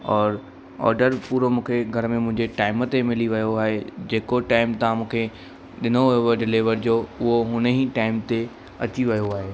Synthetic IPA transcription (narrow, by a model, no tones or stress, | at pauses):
ɔːɾ | ɔ̰ːɾɖəɾpuːɾomũːkʰeɡʱɐɾmẽmʊ̃ɦɪ̃ɲd͡ʑeʈaːɪmt̪emɪliʋɐjoaːɦed͡ʑeːkoʈaːɪmt̪ɐãmũːkʰe | ɗɪnoʋjoʋɖɪleːʋəɾd͡ʑoːʊɦoɦʊneɦiʈaːɪmt̪e | ɐ̰t̪ʰiʋɐjoaːɦeː